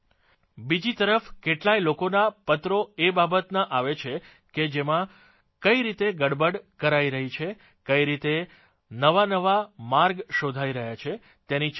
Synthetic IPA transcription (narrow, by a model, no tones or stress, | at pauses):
bid͡ʒit̪əɾəfkeʈlailokonapət̪ɾoebabət̪naʔaʋet͡ʃʰe | ked͡ʒemã | kəiɾit̪eɡəɽbəɖkəɾaiɾəɦit͡ʃʰe | kəiɾit̪e | nəʋanəʋamaɾɡʃod̪ʱaiɾəɦjat͡ʃʰe | t̪eni